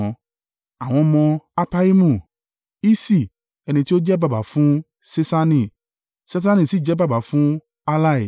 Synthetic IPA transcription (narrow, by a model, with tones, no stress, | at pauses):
ɔ̃˨˧ | a˨w̃ɔ̃˧mɔ̃˧a˧pa˧i˦mũ˧˨ | i˦si˦˨ | ɛ˧nĩ˧ti˦o˦d͡ʒɛ˦ba˧˨ba˨˦fũ˦ | se˦sa˧nĩ˧˨ | se˦s̬a˦nĩ˨si˨˦˨d͡ʒɛ˦ba˦˨ba˨˦fũ˦ | a˧la˦i˨